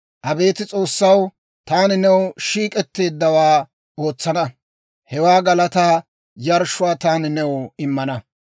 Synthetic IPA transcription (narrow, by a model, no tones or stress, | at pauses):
ʔɐbe̞ːt̪ɪt͡sʼo̞ːsːɐw | t̪aːnɪnɛwʃiːkʼɛt̪ːe̞ːd̪ːɐwaː | o̞ːt͡sːɐnɐ | hɛwaːɡɐlɐt̪aː | jɐɾʃʊwaːt̪aːnɪnɛwɪmːɐnɐ